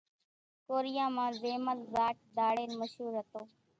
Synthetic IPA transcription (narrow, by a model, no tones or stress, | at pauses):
koːɾɪjãːmãːzeːməlzaːʈ̚d̪aːɽeːnməʃɦuːɾɦət̪oː